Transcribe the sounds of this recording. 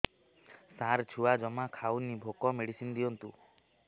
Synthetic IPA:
saɾt͡ʃʰuad͡ʒɔmakʰawnibʱokɔmeɽisind̪iɔnt̪u

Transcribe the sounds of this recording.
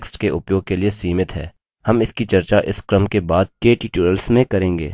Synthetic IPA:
ksʈkeʔʊpjoːɡ̚keliesiːmɪt̪ɦɛ̰ː | hɐmɪskit͡ʃɐɾt͡ʃaʔɪskɾəmkebaːd̪̚keːʈiːʈuːɾəlsmẽkɐɾẽːŋɡḛː

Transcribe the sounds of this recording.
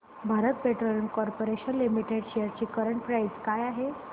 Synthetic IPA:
bʱaɾət̪̚peʈɾolənkɔɾpoɾeɕənlimiʈeɽɕejəɾt͡ɕiːkəɾəɳʈpɾaid͡zkajaɦe

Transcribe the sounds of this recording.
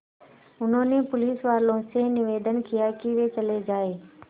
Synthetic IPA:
ʊnõːnepʊliːsʋaːɾlõsenɪʋeːd̪ʱənkʰɪjakiːʋet͡ɕɐled͡ʑaːeː

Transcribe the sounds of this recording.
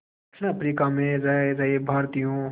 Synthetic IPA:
əpɾiːkamẽːɾəɾəɦebʱaːɾt̪ijõː

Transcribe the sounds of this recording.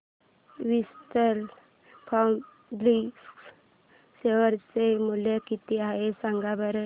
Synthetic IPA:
ʋist̪əl | pʰɔm | blis | seʋəɾt͡semulekit̪iaɦesãŋɡabəɾə

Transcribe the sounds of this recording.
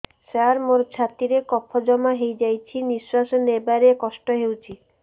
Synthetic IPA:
saɾmoɾt͡ʃʰat̪iɾekɔpʰɔd͡ʒɔmaɦejd͡ʒajt͡ʃʰinisːasɔnebaɾekɔsʈɔɦewt͡ʃʰi

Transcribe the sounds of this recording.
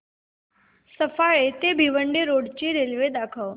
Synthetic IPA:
səfajet̪ebʱiʋəɳɖiɾoɽt͡ɕiːɾelʋed̪akʰəʋ

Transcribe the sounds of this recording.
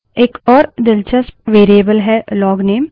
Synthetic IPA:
eːkɔːɾd̪ɪlt͡ʃəsʋeːɾiəbəlɦɛlɔːɡneːm

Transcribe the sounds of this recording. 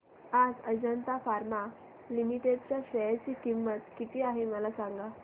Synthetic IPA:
ad͡zəd͡ʑənt̪afaɾma | limiʈeɖ̚t͡ɕjaɕəjt͡ɕiːkimːət̪kit̪ʰiːaɦeməlasãŋɡa

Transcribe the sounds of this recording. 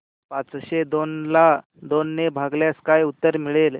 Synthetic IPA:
pat͡sɕed̪onla | d̪onːebʱaɡljaskajut̪ːəɾmiɭel

